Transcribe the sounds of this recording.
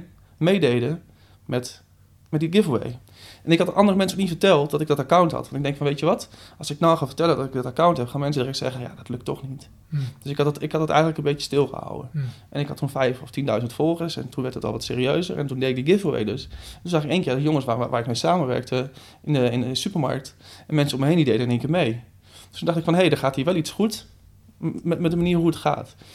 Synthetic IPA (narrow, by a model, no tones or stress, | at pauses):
mejdejdə | mɛt | mɛt̚diɡɪfəlˠʋḛj | ʔɛnɪkhɑtəʔɑndərəmɛnsəknitfəɹtɛlˠt̚dɔtɪɡ̚dɑtakawntɦɑ̰tɑnɪɡ̚dɛŋkfɔnʋejtjəʋɑtʔɑlˠsɪknawlˠxaːfətɛlədɔtɪk̚dɔtakawntɦɛpχaːnmɛnsədərɛksɛ̰χəja̰dɔtlɵktɔ̰xnit | d̥øsɪkɑttɪkhɑt̚ɑtɛ̰jɣəntləkənbeəstɪlˠχə̰ha̰wə̰ʔɛnɪkhɑtʰunfɛjfɔftindœɥzəntfɔlˠχəsɛ̰ntunʋɛɹthətɔ̰lˠʋɑtsḛːɾiøɥzə̰ɹʔɛ̰ntundejɪk̚diɡɪfəʋḛjdəsɛntunzaχɪkeːnkɪːɹdəjoŋəsʋaːɹɪk̚mejsaːməʋɛ̰ɹk̚tə | ɪnəɪnəəsypəɹma̰ɹk̚tɛnmɛnsənɔməɦejnidejdəɛneŋkɪːəmej | d̥stːundɑχtɪkfɔnɦejdəχaːtɦiːɹʋɛlˠitsχut | mɛtmɛt̚dəmaniːɹɦuətχa̰ːt